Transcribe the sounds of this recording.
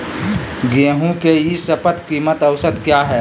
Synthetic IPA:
ɡeːɦũkeisəpət̪kiːmət̪ɐwsəd̪kjaɦɛː

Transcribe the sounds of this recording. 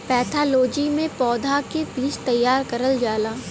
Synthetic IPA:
pɛːt̪ʰaːloːd͡ʒimẽpɔːd̪ʱakebiːt͡ʃt̪ɐjːaːɾkɐɾəld͡ʒaːlaː

